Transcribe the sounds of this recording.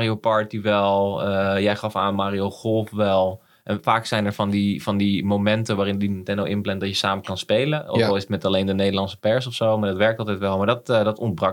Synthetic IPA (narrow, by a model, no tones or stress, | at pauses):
riopɑɹtiʋɛlˠəjɛjχɑfaːnmaːɾioχɔlˠfʋɛlˠ | ʔɛnfaːksɛjnɛɹfɑndifɑndimowmɛntəʋaːɾɪnditɛnoʔɪnplɛntdɑtjəsaːməkɑnspejləɔkɔlˠɪsətmɛtalejndənejdəlɑnsə̥pɛɹsɔfsowmaːɹdɑtʋɛɹk̚tɑlˠtɛjtʋɛlˠmaːɹdɔtdɑtɔntbrɑ